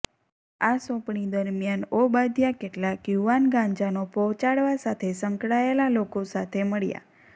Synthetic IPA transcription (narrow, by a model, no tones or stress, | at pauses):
asɔ̃pɳid̪əɾmjanobad̪ʱjakeʈlakjuʋanɡãɲd͡ʒanopɔt͡ʃaɽʋasat̪ʰesəŋkɽaelalokosat̪ʰeməɭja̰